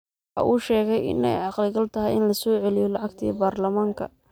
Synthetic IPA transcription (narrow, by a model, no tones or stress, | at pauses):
ʔɐ̰ʔuːʃɛːɣɛjɪ̰nɛjʕɑqlɪɡɐlt̪ʰɐɦɛjɪnlɐsɔːʕɛlɪjɔlɑʕɑɡt̪ʰḭːbaːrlɐmaːŋkʰɐ̰